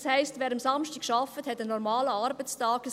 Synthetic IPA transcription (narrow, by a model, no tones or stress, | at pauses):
shɛɪstvɛːɾəmsɑmʃtikʃɑfəthɛtənɔɾmaːləɑɾbət͡stɑːɡə